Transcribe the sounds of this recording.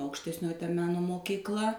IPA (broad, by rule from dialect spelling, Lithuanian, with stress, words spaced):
ɐʊkʃʲtʲɛsʲˈnʲoːjɪ ˈtɐ ˈmʲæːnoː moːkʲiːkˈlˠɐ